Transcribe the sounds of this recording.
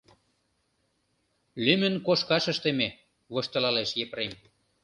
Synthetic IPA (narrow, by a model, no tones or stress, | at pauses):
lymə̆nkoʃkɑʃə̆ʃt̪eme | βoʃt̪ɤ̆lɑleʃjepɾem